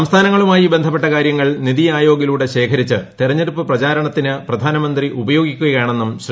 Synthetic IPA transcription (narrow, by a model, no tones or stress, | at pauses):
ɐmst̪ʰaːnɐŋːɐɭumaːjibend̪ʱɐp̬ːe̞ʈːɐkaːɾjɐŋːɐɭniðiaːjo̞ːɡiluːɽe̞ɕe̞ːkʰɐɾit͡ɕːɨt̪irɐɲːeɾupːɨprɐt͡ɕaːɾɐɳɐt̪ːinɨprɐd̪ʱaːnɐmɐnd̪riʔubɐjo̞ːɡikʲːuɣɐjaːɳe̞nːumɕ